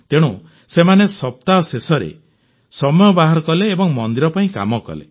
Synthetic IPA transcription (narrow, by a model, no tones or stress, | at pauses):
t̪eɽ̃ũ | semanesɔp̚t̪aɔsesɔɾḛ | sɔmɔjɔbaɦaɾɔkɔleːbɔŋmɔnd̪iɾɔpaĩka̰mɔkɔ̰lḛ